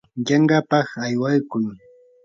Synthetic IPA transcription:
ʎɑŋɢapɑχajwajkʊj

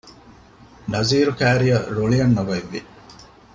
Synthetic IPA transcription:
nɐziːɾukæːɾijɐɾoɭiɐnːɐʋɐʋːḭ

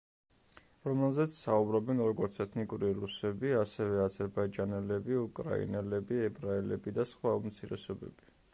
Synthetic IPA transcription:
ɾɔmɛlˠzɛt̪sʰsaubɾɔbɛnɾɔɡɔɾt̪sʰɛt̪ʰnikʼuɾiɾusɛbiasɛvɛazɛɾbaid͡ʒanɛlɛbiukʼɾa̰ḭnɛlɛbiɛbɾaɛlɛbid̪asχwaumt̪sʰiɾɛ̰sɔbɛ̰bi

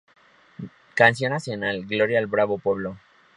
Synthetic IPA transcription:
kans̬jo̞nːasjonalɡlo̞ɾjaːlbɾaβo̞pweβlo

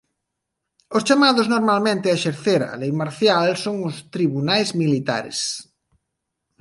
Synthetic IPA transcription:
ʊst͡ʃamaðʊznoɾmalmẽnt̪ɪaʃeɾθeɾɐ̰lejmaɾθjalsoŋʊst̪ɾiβunajzmilit̪a̰ɾḛs

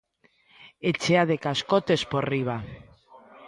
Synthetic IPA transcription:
et͡ʃeaðekaskot̪esporiβ̞a

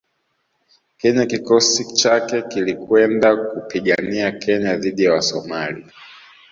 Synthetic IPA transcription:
kɛɲakikɔsit͡ʃakɛkilikwɛndakupiɠaniakɛɲaðiɗijawasɔmali

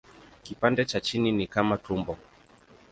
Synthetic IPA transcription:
kipandɛt͡ʃat͡ʃininikamatumbɔ

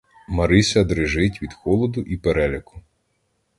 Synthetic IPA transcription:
mɐɾɪsʲɐd̪ɾɪʒɪtʲʋʲid̪xɔlˠɔd̪ʊʔipeɾɛlʲɐkʊ̥

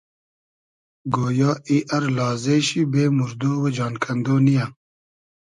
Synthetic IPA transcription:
ɡoːjɑːiʔɐɾlɑːzeːɕibeːmuɾd̪oːwed͡ʒɑːnkʰɐnd̪oːnija

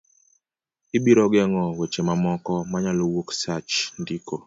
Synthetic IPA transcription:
ɪbiɾɔɡɛŋɔwet͡ʃemamɔkɔmaɲalowoksat͡ʃndiko

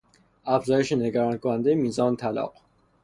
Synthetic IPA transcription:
æfzɒːjeʃeneɡæɾɒːnkʰonænd̪ejemiːzɒːnet̪ʰælɒ̰ːq

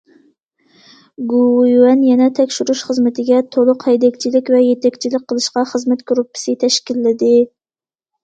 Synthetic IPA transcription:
ɡujɛnjɛnɛt̪ʰɛkʲʃyɾuʃχəzmɨt̪ʰɪɡʲɛt̪ʰolˠʊqhɛjd̪ɛkʲt͡ʃʰilɪkʲvɛjet̪ʰɛkʲt͡ʃʰilɪk̚ʲqʰːəlˠɨʃqɑχəzmɛt̪ɡ̥ɾupːɪ̥sɨt̪ʰɛʃkʲilːɪd̪ɪ

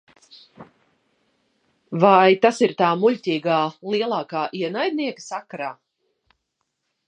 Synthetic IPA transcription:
vajt̪asiɾt̪aːmuʎʲtʲiːɡaːliɛlˠaːkaːʔiɛnajd̪̚ʲniɛkə̥sakaɾaː

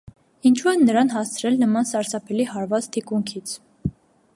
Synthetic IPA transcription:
int͡ʃʰuɛnːəɾɑnɦɑst͡sʰɾɛlnəmɑnsɑɾsɑpʰɛlihɑɾvɑt͡st̪ʰikuŋkʰit͡sʰ

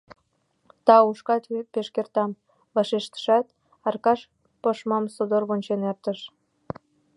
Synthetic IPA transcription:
t̪ɑuʃkɑt̪peʃkert̪ɑm | βɑʃeʃt̪ə̥ʃɑt̪ | ɑrkɑʃ | poʃmɑmsod̪orβonʲt͡ɕenert̪əʃ

